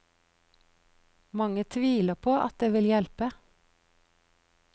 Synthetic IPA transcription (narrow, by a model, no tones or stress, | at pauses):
mɑŋət̪ʰʋiːləpʰoːʔɑ̰t̪̚d̪eːʋɪljɛlpə